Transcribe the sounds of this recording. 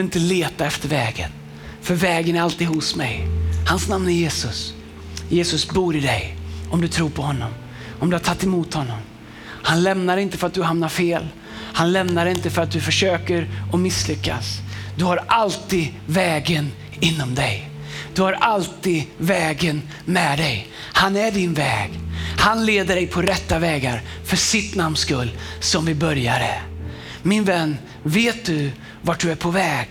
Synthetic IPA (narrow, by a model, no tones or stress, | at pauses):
ɪnt̪əleːt̪aɛft̪əɾvɛːɡə̰n | fœɾvɛːɡənæɾalt̪iːd̪hʊsmɛ̰jhansnamnæɾjeːsɵs | jeːsɵsbuːɾɪd̪ɛjɔmd̪ɵt̪ʰɾuːɾpʰɔhɔnːɔm | ɔmd̪ɵhaʈʰat̪ːɛmuːt̪hɔnːɔm | hanlɛmnaɾɪnt̪əfœɾat̪̚d̪ɵɦamnaɾfeːl | hanlɛmnaɾɪnt̪əfœɾat̪̚d̪ɵfœʂøːkəɾɔmɪslʏkːa̰sd̪ɵhaɾʔalt̪id̪vɛːɡən | ɪnːɔmd̪ɛj | d̪̥ɵhaɾʔalt̪id̪vɛːɡən | mɛd̪ɛj | hanæɖɪnvɛːɡhanleːd̪əɖɛjpʰɔɾɛt̪ːavɛːɡa̰ɾfœʂɪt̪namnskɵlːsɔmvɪbœɾjaɾə | mɪnvɛnː | veːt̪̚d̪ɵ | vaʈ̚dɵæɾpʰɔvɛːɡ